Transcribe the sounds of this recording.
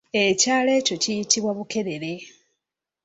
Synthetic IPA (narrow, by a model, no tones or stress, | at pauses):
e̞caːle̞ːco̞cijitiβwaβuke̞ɾe̞ɾe